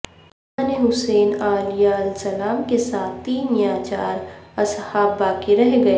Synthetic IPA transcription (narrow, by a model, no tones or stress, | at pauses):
aneɦʊseːnaːlijaɐlsɐlaːmkesaːt̪ʰt̪iːnjaːt͡ʃaːɾɐshaːbːaːkeɾɐɦɡɐe